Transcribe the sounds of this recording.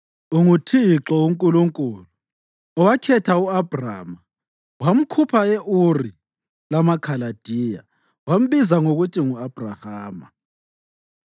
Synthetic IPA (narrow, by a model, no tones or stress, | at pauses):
uŋutʰiǁɔuŋkʼuluŋkʼuːlu | ɔwakʰɛtʰauab̥ra̰ːma | wam̩kʰupʰaeʔuri | lamakʰalad̥ʱiːja̰ | wam̩βizaŋoɣutʰʼiŋuab̥ʱrahaːma̰